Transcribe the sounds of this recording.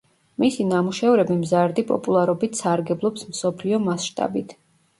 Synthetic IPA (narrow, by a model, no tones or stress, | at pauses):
misinamuʃɛvɾɛbimzaɾd̪ipʼɔ̰pʼulˠaɾɔbit̪ʰsaɾɡɛblˠɔpsmsɔpʰliɔmasʃt̪ʼa̰bit̪ʰ